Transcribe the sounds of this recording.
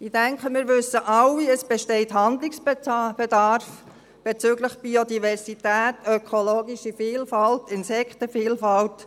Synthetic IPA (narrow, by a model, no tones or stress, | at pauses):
id̥æŋkχəmɪːɾʋɵsːəʔɑwiəsb̥ɛʃtɛɪtɦɑndlɪksb̥ɛdɑɾf | b̥et͡syːɡləχb̥iod̪ivɛrsitæːtœkʰoloːɡiʃifiːlfɑltɪnsɛkχtəfiːlfɑlt